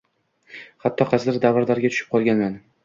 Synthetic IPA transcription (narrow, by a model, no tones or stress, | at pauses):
hat̪ʰːɒqʰɑzd̪ɪɾd̪avaɾd̪aɾɡʲat̪ʰʊ̥ʃɪ̥p̚qʰɒlˠɡʲanman